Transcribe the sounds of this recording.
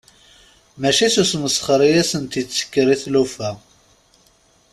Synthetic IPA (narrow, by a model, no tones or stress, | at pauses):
mæʃisusməsχəɾijæsənt̪it͡sːə̥kːɾiθlufæ